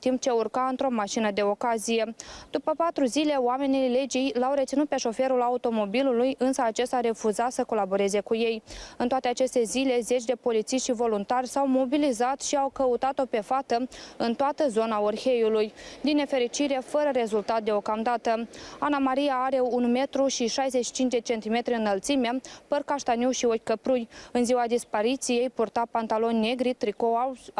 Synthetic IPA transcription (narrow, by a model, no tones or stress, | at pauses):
t̪imp̚t͡ʃe̞urkaɨnt̪ɾo̞maʃinəd̪e̞o̞kazije̞d̪̥upəpat̪ɾuzile̞oame̞nile̞d͡ʒijlawɾet̪sinut̪̚pe̞ʃo̞fe̞ɾulaut̪o̞mo̞bilulujɨnsəat͡ʃe̞st̪aɾe̞fuzasəko̞labo̞ɾe̞ze̞kuje̞jɨnt̪oat̪e̞at͡ʃe̞st̪e̞zile̞ze̞t͡ʃʲd̪e̞po̞lit̪siʃt̪ʃvo̞lunt̪arʲsawmo̞bilizat̪ʃiawkəut̪at̪o̞pe̞fat̪əɨnt̪oat̪əzo̞naorxe̞julujd̪inːe̞fe̞ɾit͡ʃiɾe̞fəɾəɾe̞zult̪at̪̚d̪e̞o̞kamd̪at̪əanamaɾijaaɾe̞unme̞t̪ɾuʃiʃajzet͡ʃʃi̥t͡ʃint͡ʃd̪e̞t͡ʃe̞nt̪ime̞t̪ɾiɨnːəlt̪simepərkaʃt̪aniwʃiokʲkəpɾujɨnziwad̪ispaɾit̪sije̞jpurt̪apant̪alo̞nʲːe̞ɡɾit̪ɾiko